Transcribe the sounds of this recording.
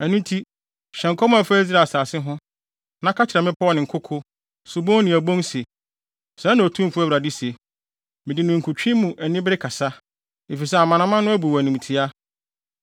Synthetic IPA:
æ˨nũ˦n˦tʰi˦ | ɕɛ̃˨ŋ˨kʰɔ˦mã˨fæ˦zɾa˨saː˨sɪ˦ɦʊ̃˦ | nã˦kʰa˦t͡ɕʰɪ˨ɾɛ˨mɪ̃˦pʰɔ˦nɪ̃˨ŋ̩˨kʰʊ˦kʰʊ˦ | su˨bõ˦nɪ̃˨æ˨bõ˦n˦se˨ | sɛ˨˦nã˨tʰũ˦fʊ˦æ˦wɾa˨di˦se˨ | mɪ̃˨dɪ˨nʊ̃˨ŋ̩˨kʰʊ˨t͡ɕᶣĩ˦mũ˨ʔæ˨nĩ˦bɪ˦ɾɪ˦kʰa˨sa˦ | e˨fi˨s̬ɛ˦a˨mã˨nã˦mã˦nʊ̃˦æ˦bu˨æ˨nĩ˨m˨tʰi˨a˦

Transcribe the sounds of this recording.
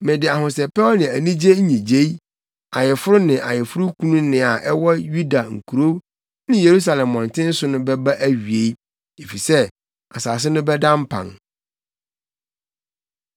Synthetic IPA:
mɪ̃˨dɪ˨a˨hʊ̃˨sɛ˨pɛ˦nɪ̃˨æ˨nĩ˦d͡ʑe˦ɲĩ˨d͡ʑe˦i˦ | a˨jɪ˨fʊ˦ɾʊ˦nɪ̃˨ʔa˨jɪ˨fʊ˦ɾʊ˦kʰũ˦nũ˦nɪ̃˨a˨ʔɛ˦wɔ˦ju˦da˨ŋ̩˨kʰu˨ɾo˦ | nɪ̃˦je˨ɾu˦s̬a˨lɛ̃˨mːɔ̃˨ntʰɪ̃˦n̩˦sʊ˦nʊ̃˦bɛ˦ba˦ʔæ˦ɥi˨e˦i˦ | e˨fi˨sɛ˦ | a˨saː˨s̬ɪ˦nʊ̃˦bɛ˦dã˦m˦pʰã̰˨ŋ

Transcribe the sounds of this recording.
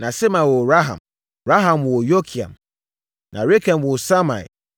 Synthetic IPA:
nã˨sɛ˦mã˨wɔ˨ɾa˦ɦã̰˨m | ɾa˦ɦã˨mwɔ˨jo˦kʰi˨ã̰˨m | nʔã̰˨ɾe˦kʰɛ̃˨mwɔ˨sa˦mã̰˨ḭ˨

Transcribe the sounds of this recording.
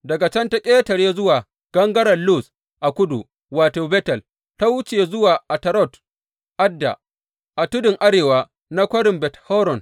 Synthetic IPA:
dɐ˨ɡa˨t͡ʃɐ˦nta˦kʲʼeː˦tɐ˨ɽeː˦zʊ˦waː˨ | ɡ̥ɐ˦ŋɡɐ˦ɽɐ˨nlu˦s | ʔa˨kʷʊ˦dṵ˨ | waː˨toː˨bɛ˦tɐ˨l | ta˦wʊ˦t͡ʃeː˨zʊ˦waː˨ʔa˨tɐ˨ɾɔ˦˨t | ʔa˦dːa̰˨ | ʔa˨tʊ˦dɪ˨ŋʔa˦ɾeː˨waː˦ | na˦kʷɐ˦ɽɪ˨mbɛ˨thɔ˦ɾɔ˨n

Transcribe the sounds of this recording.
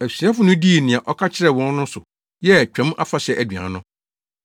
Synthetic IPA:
æ˨sɥa˦fʊ˦nʊ̃˦di˦˨nɪ̃˨ã˨ʔɔ˦kʰa˦t͡ɕʰɪ˦ɾɛ˦˨wɔ̃˦n˦nʊ̃˦sʊ˨ | jɛ˦˨t͡ɕᶣɛ̃˦m˦a̰˦fa˨ɕɛ˦˨ʔæ˨dɥã̰˨˦nʊ̃˦

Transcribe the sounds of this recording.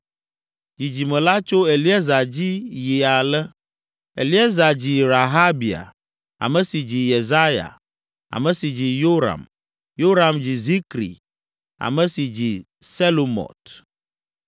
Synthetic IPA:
d͡ʑi˨d͡ʑi˨mɛ̃˨la˦t͡ʃo˦e˨li˦ɛ˦za˨d͡ʑi˦ji˨a˨lɛ˦ | ḛ˨li˦e˦za˨d͡ʑi˨ɾa˨ɦa˦bi˨a̰˨ | a̰˨mɛ̃˨si˨d͡ʑi˨je˨za˦ja̰˨ | a̰˨mɛ̃˨si˨d͡ʑi˨jo˦ɾa̰˨m | jo˦ɾa˨md͡ʑi˨zi˦kɾḭ˨ | a̰˨mɛ˦si˨d͡ʑi˨ | sɛ˦lo˨mɔ̰˨t̪

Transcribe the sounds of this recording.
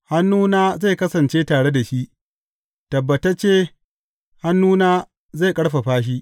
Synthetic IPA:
ha˦nːuː˦naː˦za˦˨kɐ˦sɐ˨nt͡ʃeː˦taː˨ɽe˦da˨ʃi˦ʔ | tɐ˨bːɐ˨tɐ˦t͡ʃeː˦ | ha˦nːuː˦naː˦ | ze˦˨kʼɐ˦ɽɸa˨ɸaː˦ʃ̬i˦ʔ

